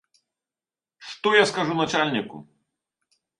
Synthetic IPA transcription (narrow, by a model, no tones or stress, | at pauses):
ʂt̪ɔjaskaʐunat͡ʂalʲnʲikṵ